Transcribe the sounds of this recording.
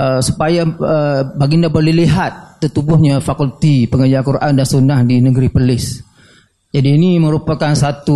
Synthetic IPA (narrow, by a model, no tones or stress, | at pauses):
əsu̥pajaəbaɡindabolɛhliɦat̪̚ːərt̪ubʊhɲafakult̪ipəŋəd͡ʒakuɾʔa̰ndansunahdinəɡəɾipəlɪs | d͡ʒadiːnimə̃ɾupakansat̪u